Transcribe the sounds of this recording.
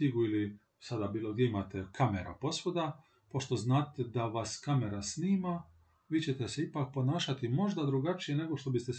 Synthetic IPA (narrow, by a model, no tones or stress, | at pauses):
iɡuili | sad̪abiːlo̞ɡd̪jeimat̪ekʰameɾa̰po̞sʋo̞d̪a | po̞ʃt̪o̞znaːt̪ed̪aʋaskame̞ɾasniːma | ʋiːt͡ɕe̞t̪e̞seipak̚po̞naːʃat̪imo̞ʒd̪ad̪ɾuɡat͡ʃije̞ne̞ɡo̞ʃt̪o̞bist̪e